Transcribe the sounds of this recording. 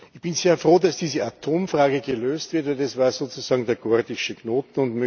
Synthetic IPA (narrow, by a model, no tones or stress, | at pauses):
ɪçb̥ɪnzeːɐfʁoːdasd̥iːzəatʰoːmfʁaːɡəɡəløːstv̥ɪɐtvɛldasv̥aːɐz̥oːt͡sʊzaːɡŋ̩deːɐɡ̥ɔɐdɪʃəknoːtn̩ʊntmœ